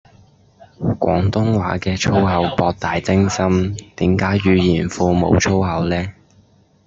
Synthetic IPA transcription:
kʷʔɔ̰ː˨˥ŋt̪ʊ˥ŋwaː˨˥kɛː˧t͡ʃʰo˥wɦɐ˨˧wpɔː˧k̚t̪aː˨jt͡sɪ˥ŋsɐ˥mt̪iː˨˥mkaː˨˥jːyː˨˧jiː˨˩nfuː˧mo̰˨˧˥wt͡ʃʰo˥wɦɐ˨˧wlɛː˥

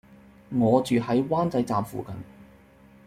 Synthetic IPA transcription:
ŋɔː˨˧t͡ʃyː˨hɐ˨˥jwaː˥nt͡sɐ˨˧jt͡saː˨mfṵː˨kɐ˨n

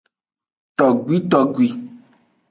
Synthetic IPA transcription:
t̪ɔ˨ɡwi˦t̪ɔ˨ɡwi˨

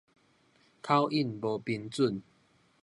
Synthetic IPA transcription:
kʰa˦wʔi˥˨nbo˨˩pi˧nt͡su˥˩˨n

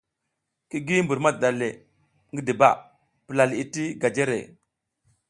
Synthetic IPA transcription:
ki˦ɡi˦m˦bu˨ɾma˦˨da˨le˨ | ŋɡi˦di˨ba̰˦˨ | pə˨la˨li˨ti˦ɡa˨d͡ʒe˦ɾḛ˨

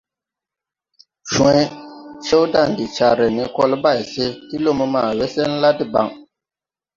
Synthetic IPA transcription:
ʃɔ̃˨˦i˦t͡ʃe˦wda˦˨n˨di˨t͡ʃa˨ɾɛ˨ni˨kɔ˦lba˦˨jse˦ti˦lo˦me˦maː˨we˦se˦n̩˦la˦di˨ba̰˨ŋ

